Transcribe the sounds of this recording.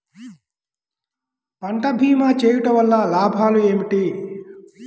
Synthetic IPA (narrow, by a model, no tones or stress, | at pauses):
pɐɳʈɐbʱiːmaːt͡ʃeːjuʈɐʋɐlːalaːbʱaːlueːmiʈi